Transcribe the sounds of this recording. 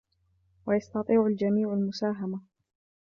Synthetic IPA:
wajɑst̪ɑt̪ˤiːʕald͡ʒamiːʕalmʊsaːɦama

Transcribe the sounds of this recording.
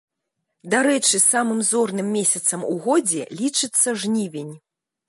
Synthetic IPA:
d̪aɾɛt͡ʂɨsamɨmzɔrnɨmːʲesʲɐt̪sɐmuɣɔd͡zʲɛlʲit͡ʂɨt̪sːɐʐnʲivʲenʲ

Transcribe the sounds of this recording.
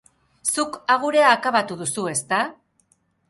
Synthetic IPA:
sukaɣ̞uɾe̞aːkaβat̪uðusue̞st̪a

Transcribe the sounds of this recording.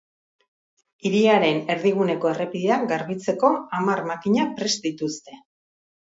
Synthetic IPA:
iɾiaɾe̞ne̞ɾðiɣ̞une̞ko̞ere̞piðeaɡaɾβit͡se̞ko̞amarmakiɲapɾe̞sd̪it̪ust̪e̞

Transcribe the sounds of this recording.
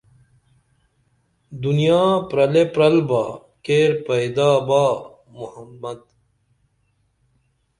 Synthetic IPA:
d̪unijaːpɾɐlepɾɐlbaː | keːɾpɐjd̪aːbaː | muhɐmːɐd̪

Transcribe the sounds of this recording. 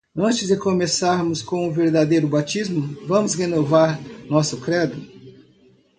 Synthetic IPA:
ɐ̃nt͡ʃɪzd̪ɪkomesaɾmʊskõʊveɾd̪ad̪ejɾʊbat͡ʃizmʊvɐ̃mʊshenovaɾnɔsʊkɾɛd̪ʊ

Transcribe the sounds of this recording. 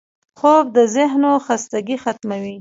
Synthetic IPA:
xob̚d̪əzɪɦnoxast̪aɡixat̪mawi

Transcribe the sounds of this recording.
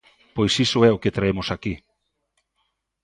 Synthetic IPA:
pojsisʊɛoket̪ɾaemʊsaki

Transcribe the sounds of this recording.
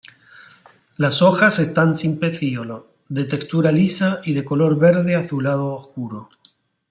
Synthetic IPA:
laso̞xase̞st̪ansimpeθiolo | ðe̞t̪e̞kst̪uɾalisaiðe̞ko̞lo̞ɾβe̞ɾðe̞aθulað̞o̞ːskuɾo

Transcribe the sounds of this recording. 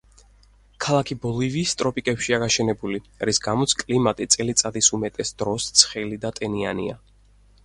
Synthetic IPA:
kʰalˠakʰibɔliviːst̪ʼɾɔpʼikʼɛpʃiaɡaʃɛnɛbuliɾisɡamɔt̪sʰkʼlimat̪ʼit̪sʼɛlit̪sʼad̪isumɛt̪ʼɛsd̪ɾɔst̪sʰχɛlid̪at̪ʼɛnianḭa̰

